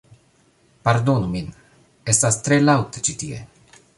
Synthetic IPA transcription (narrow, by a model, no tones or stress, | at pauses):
paɾd̪onumin | est̪ast̪ɾelawt̪e̥t͡ʃit̪iḛ